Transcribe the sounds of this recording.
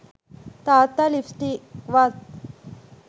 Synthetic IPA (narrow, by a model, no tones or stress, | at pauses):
t̪at̪alifsʈiʋat̪